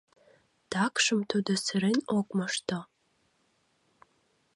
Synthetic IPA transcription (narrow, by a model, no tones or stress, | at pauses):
d̥akʷʰʼʂɨmtʰodɐsɨɾenɔkʷʼmɐʂtʰɐ